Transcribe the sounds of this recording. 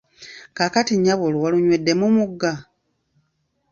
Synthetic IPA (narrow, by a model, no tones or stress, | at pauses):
kakatiɲːaβoluwaluɲwedːe̞mumuɡːa